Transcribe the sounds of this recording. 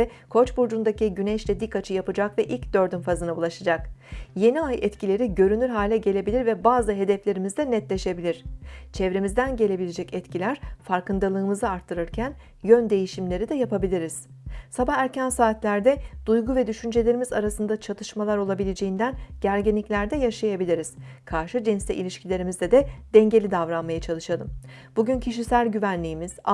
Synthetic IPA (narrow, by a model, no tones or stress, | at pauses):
ɛkʰo̞t͡ʃbuɾd͡ʒund̪aciɟynɛʃlʲɛd̪ikːat͡ʃʰɯjapɯd͡ʒakvɛʔilʲcd̪ø̞ɾd̪ynfazɯnaulˠaʃad͡ʒakje̞niajɛt̪cʰilʲe̞ɾiɟø̞ɾynyɾɦaːlʲɛɟe̞lʲe̞bilʲiɾvɛbaːzɯɦe̞d̪ɛflʲe̞ɾimizd̪ɛnɛt̪lʲe̞ʃe̞bilʲiɾ̝̥t͡ʃʰɛvɾemizd̪ænɟe̞lʲe̞bilʲed͡ʒɛcɛt̪cʰilʲæɾ̥faɾkɯnd̪alˠɯːmɯzɯaɾt̪ʰːɯɾɯɾcʰæn | jønd̪e̞jiʃimlʲe̞ɾid̪ɛjapabilʲiɾiz̥ | sabahæɾcʰænsaːt̪lʲæɾd̪ɛd̪̥ujɡuvɛd̪yʃynd͡ʒe̞lʲe̞ɾimizaɾasɯnd̪at͡ʃʰat̪ʰɯʃmalˠaɾo̞lˠabilʲed͡ʒe̞jind̪ænɟ̥æɾɟinlːʲiclʲæɾd̪ɛjaʃajabilʲiɾiz̥kʰaɾʃɯd͡ʒinst̪ɛ̰ʔḭlʲiʃcʰilʲe̞ɾimizd̪ɛd̪ɛd̪̥ɛɲɟe̞lʲid̪avɾanmajat͡ʃʰalˠɯʃalˠɯmb̥uɟyncʰiʃisælʲɟyvænlʲijːmiz̥